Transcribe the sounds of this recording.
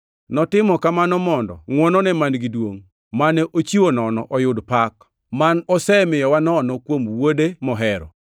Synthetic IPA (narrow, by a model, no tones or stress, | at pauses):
nɔtɪmɔkamanɔmɔndɔ̰ŋwɔnɔnɛmanɡidwoŋ | manɛʔot͡ʃiwonɔnɔʔɔjʊdpak | manɔsɛmɪjɔwanɔnɔkwomwodemɔɦɛɾɔ̰